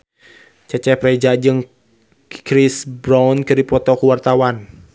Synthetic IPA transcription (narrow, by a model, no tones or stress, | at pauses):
t͡ʃɛt͡ʃɛhpɾɛd͡ʒad͡ʒɨŋ | kɾisbɾawnkɨrdipɔt̪ɔkuwart̪awan